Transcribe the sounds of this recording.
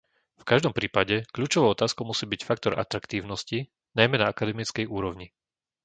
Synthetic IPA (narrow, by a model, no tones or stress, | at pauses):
fkaʒd̪ɔmpɾiːpaɟɛkʎuːt͡ʃɔʋɔʊɔt̪aːskɔʊmusiːbicfakt̪ɔɾʔa̰t̪ɾakt̪iːʊnɔsci | najmɛnaakad̪ɛmit͡skɛjuːɾɔʊɲi